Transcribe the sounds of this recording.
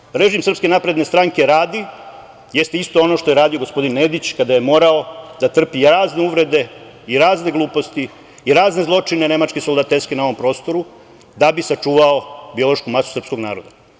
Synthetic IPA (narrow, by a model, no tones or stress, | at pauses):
ɾe̞ʒimsr̩pske̞napɾe̞d̪ne̞st̪ɾaŋke̞ɾaːd̪i | je̞st̪eist̪o̞o̞no̞ʃt̪o̞je̞ɾaːd̪io̞ɡo̞spo̞d̪inːed̪it͡ɕkad̪aje̞mo̞ːɾao̞d̪at̪r̩piɾaːzne̞uʋɾe̞d̪e̞ | iɾaːzne̞ɡlˠuːpo̞st̪i | iɾaːzne̞zlˠo̞t͡ʂine̞ne̞mat͡ʃkesold̪at̪elske̞nao̞ʋo̞mpɾo̞ːst̪o̞ɾu | d̪abisat͡ʂuːʋao̞bio̞lˠo̞ʃkumasu̥sr̩psko̞ɡna̰ːɾo̞d̪a